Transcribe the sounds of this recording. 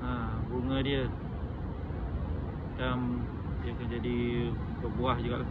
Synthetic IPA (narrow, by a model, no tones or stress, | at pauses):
aɡuŋədiə | tam | diəkand͡ʒadi | bəbuahd͡ʒuɡa̰ʔ